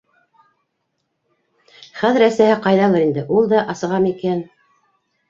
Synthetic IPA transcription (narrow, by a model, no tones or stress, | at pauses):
χæðɘɾæsæhɘqɑjðɑlˠɤɾind̪ɘʔulˠd̪ɑʔɑsɤ̆ʁɑmikæn